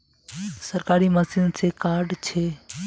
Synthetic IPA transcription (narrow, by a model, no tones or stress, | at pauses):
səɾkaːɾiməsɪnsekaɾɖt͡ʃʰe